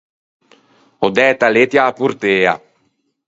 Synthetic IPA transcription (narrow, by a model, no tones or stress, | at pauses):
od̪ɛːt̪alet̪jaːpuɾt̪eːa̰